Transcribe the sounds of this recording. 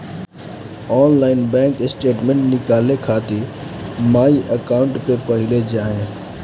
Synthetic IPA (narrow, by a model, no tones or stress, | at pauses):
ɔːnlaːɪnbɛ̃ːŋkɪsʈeːʈmɛ̃ɳʈnɪkaːlekʰaːt̪i | maːiʔɐkaːʊ̃ɳʈpepɐɦɪled͡ʑaːɦẽ